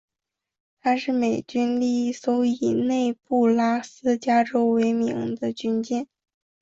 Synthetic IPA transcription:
t̪ʰa˥ʂɻ̩˥˩me˨˩ɪt͡ɕy˥nli˥˩˥sɔ˧˥ʊi˨˩ne˥˧ɪpu˥˩la˥sɹ̩˥t͡ɕja˥ʈ͡ʂo˥ʊwe˧˥ɪmḭ˧˥ŋd̪ə˧t͡ɕy˥nt͡ɕjɛ˥˩n

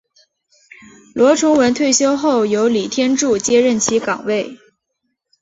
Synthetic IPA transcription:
lwɔ˧˥ʈ͡ʂʰʊ˧˥ŋwə˧˥nt̪ʰwe˥˩ɪɕjo˥ʊxo˥˩ʊjo˧˥ʊli˨˩t̪ʰjɛ˥nʈ͡ʂu˥˩t͡ɕjɛ˥ɻə˥˩nt͡ɕʰi˧˥kɑ˨˩ŋwe˥˩ɪ

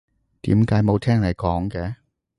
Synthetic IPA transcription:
t̪ḭː˨˥mkaː˨˥jmo˨˧wt̪ʰɛː˥ŋlɐ˨jkɔː˨˥ŋkɛː˨˧

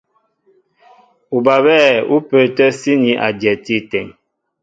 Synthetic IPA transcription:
u˨ba˨bɛː˦˨u˦pə˨tɛ˦si˦ni˦ʔa̰˨djɛ˨ti˦tɛ˨ŋ

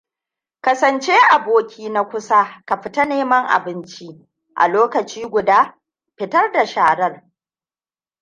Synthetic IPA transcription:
kɐ˦sɐ˨nt͡ʃe˦ʔa˨boː˦kʲʰiː˦na˦kʷʊ˦sa˦ka˨ɸɪ˦ta˦neː˦mɐ˦ŋʔa̰˨bɪ˦nt͡ʃi˦ | ʔa̰˨loː˦kɐ˨t͡ʃiː˦ɡʷʊ˨daː˦ | ɸɪ˦tɐ˦rda˨ʃaː˨ɽɐ˦r

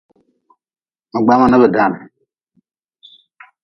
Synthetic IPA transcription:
mə˨ɡ͡ba˦ma˨nə˦bə˨da˦˨n˨

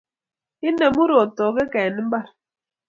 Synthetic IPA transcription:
i˦ne˨mu˦ɾo˨tɔ˨ɡe˦ka˨ɛ˨ni˦m̩˦ba˦˨ɾ

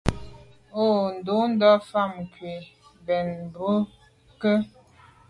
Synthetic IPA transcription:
o˦˨n̩˨do˨˦n̩˦dɔ˦fa˦˨m˨kɥe˨ | bɛ˨nbə˦ | kə˦

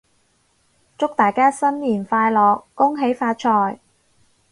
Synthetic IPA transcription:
t͡sʊ˥k̚t̪aː˨˩jkaː˥sɐ˥nliː˨˩nfaː˧jlɔː˨kːʊ˥ŋɦe˨˥jfaː˧t̚t͡ʃʰɔː˧j

